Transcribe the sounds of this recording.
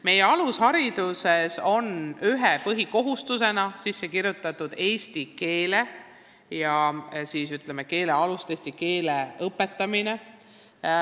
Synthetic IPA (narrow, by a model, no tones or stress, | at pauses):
me̞jeɑlushɑɾid̪̥use̞so̞nyɦepɤɦiko̞ɦust̪use̞nɑsisːe̞kiɾjut̪ːˑɑt̪ːud̪̥e̞ːst̪ike̞ːle | jɑsiːsyt̪ˑlemeke̞ːle̞ɑlust̪est̪ike̞ːleɤpːˑe̞t̪ːˑɑmine